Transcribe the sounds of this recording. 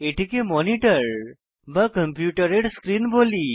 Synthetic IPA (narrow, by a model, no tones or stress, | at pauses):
eʈikemɔniʈəɾ | bakəmpjuʈəɾeɽskɾiːnboli